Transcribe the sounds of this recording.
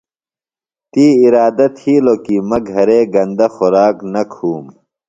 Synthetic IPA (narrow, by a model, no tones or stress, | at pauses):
t̪iːiɾaːd̪ɐt̪ʰiːlokimɐɡʱɐɾeːɡɐnd̪ɐxoɾaːknɐkʰuːm